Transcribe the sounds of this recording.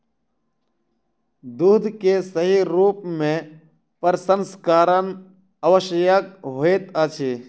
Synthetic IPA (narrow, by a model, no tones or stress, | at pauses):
d̪uːd̪ʱkesəɦiɾuːpmẽ | pəɾsənskaːɾən | əʋəʃjakɦoeːt̪at͡ʃʰeː